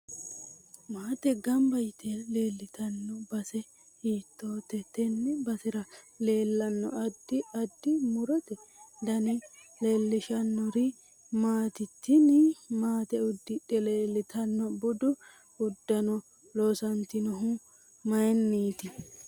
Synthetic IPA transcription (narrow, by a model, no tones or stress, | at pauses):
maːt̪ɛɡɐmbɐjɪt̪ʰːɛleːlːɪt̪ɐnːɔbɐsɛ | hiːt̪ːo̞ːt̪ɛt̪ɛnːɛbɐsɪɾɐ | le̞ːlːɐnːɔ̰ɐd̪ːɪɐd̪ːɪmʊɾɔt̪ɛd̪ɐnɪle̞ːlːɪʃɐnːɔɾɪ | maːt̪ɪt̪ːɪnɪmaːt̪ɛʊd̪ːɪᶑɛleːlːɪt̪ʰɐnːɔbʊd̪ʊ | ʊd̪ːɐnɔ | loːsɐnt̪ɪnɔɦʊ | mɐɛnːiːt̪ɪ